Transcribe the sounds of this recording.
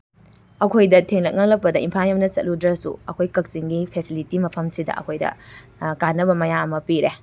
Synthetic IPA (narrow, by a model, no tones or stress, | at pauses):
ɐkʰojdɐtʰeŋlɐk̚ŋɐk̚lɐpːɐdɐimpʰamɐmnɐsɐ̰t̚ludɾɐsṵɐkʰojkɐk̚siŋɡipʰesilitimɐpʰɐmsidɐ̰ɐ̰kʰojdɐ̰kanːɐbɐmɐjaɐmɐpiɾe